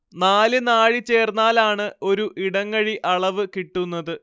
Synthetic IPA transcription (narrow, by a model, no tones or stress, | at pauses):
naːlɨnaːɻit͡ɕːe̞ːrnaːlaːɳɨo̞ɾuʔiɽɐŋːɐɻiʔʔɐɭɐʋɨkiʈːunːɐðɨ